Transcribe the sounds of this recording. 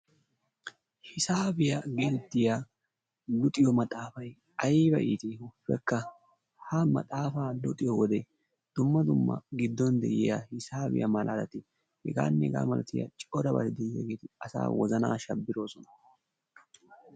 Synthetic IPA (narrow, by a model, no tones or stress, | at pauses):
hɪsaːbɪjɐɡɪd̪ɪt̪ːɪja | lʊt̪ʼɪjɔmɐt̪ʼaːfɐj | ɐjbɐʔḭːt̪ɪhʊfːɛ̰kːɐ | hɐmɐ̰t̪ʼaːfaːlʊt̪ʼɪjɔwɔd̪ɛ | d̪̥ʊmːɐd̪ʊmːɐ̰ɡɪd̪ːɔnd̪ɛ̰ʔɪjahɪsaːbɪ̰jʔɐ̰mɐlʔaːlɐt̪ɪ | hɛɡa̰ːnːɛɛɡa̰ːmɐlɐt̪ɪja̰t͡ʃʼɔd̪ɐbɐ̰t̪ɪd̪ɛjɪja̰ɡeːt̪ɪɐsa̰ːwɔzɐna̰ːʃɐbːɪɾo̞ːsɔnɐ̥